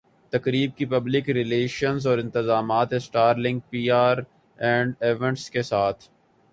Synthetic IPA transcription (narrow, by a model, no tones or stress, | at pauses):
t̪ɐkɾiːb̚kipɐblɪkɾɪleːʃənzɔːɾɪ̃nt̪ɪzaːmaːt̪esʈaːɾlɪ̃ŋɡ̚piːaːɾ | ɛ̃ːɳɖeːʋẽɳʈskesaːt̪ʰ